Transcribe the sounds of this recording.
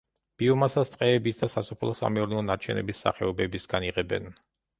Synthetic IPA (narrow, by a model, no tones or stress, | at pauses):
b̥iɔmasast̪ʼqʼɛːbisd̪asasɔpʰlˠɔsa̰mɛuɾnɛɔnat͡ʃʰɛnɛ̰bisːa̰χɛɔbɛbisɡ̥aniʁɛbɛ̰n